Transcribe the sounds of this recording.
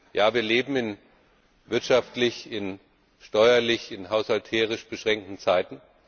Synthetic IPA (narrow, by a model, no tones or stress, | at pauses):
jaːviːɐleːbm̩ɪn | vɪɐtʃaftlɪçɪn | ʃtɔʏɐlɪçɪnɦaʊshaltʰeːʁ̞ɪʃb̥əʃʁ̥ɛŋk̚tn̩t͡saɪtn̩